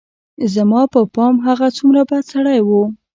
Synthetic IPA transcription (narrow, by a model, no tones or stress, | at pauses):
zamɑpəpɑmɦaɣat͡sumɾabad̪saɽajwu